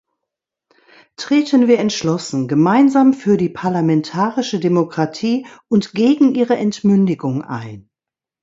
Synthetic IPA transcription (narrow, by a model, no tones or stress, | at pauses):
tʁ̥eːtənviːɐɛntʃlɔsn̩ɡəmaɪnzaːmfyːɐdiːpʰaɐlamɛntʰaːʁɪʃədemokʁ̥atʰiːʊntɡ̥eːɡŋ̩ʔiːʁəʔɛntmʏndɪɡʊŋʔa̰ɪn